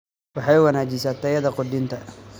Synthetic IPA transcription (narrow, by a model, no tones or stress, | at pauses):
wɑħɑjwɐnaːt͡ʃɪsaːt̪ʰɐjɐðɐqʊd̪ɪnt̪ʰɐ